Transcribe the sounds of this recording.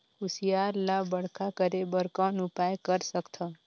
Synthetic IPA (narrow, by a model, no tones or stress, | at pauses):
ʊsijaɾlabəɽ̤kʰakəɾebəɾkãnʊpajkəɾsəkt̪ʰa